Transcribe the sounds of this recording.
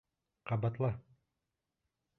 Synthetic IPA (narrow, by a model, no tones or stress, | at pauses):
qɑbɑt̪lˠɑ